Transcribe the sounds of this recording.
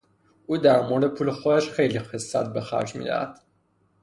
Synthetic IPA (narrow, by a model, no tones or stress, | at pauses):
ʔuːd̪æɾmoɾd̪epʰuːlexod̪æʃxejlixesːæt̪̚be̞xæ̰ɾd͡ʒmḭd̪æ̰hæ̰d̪̥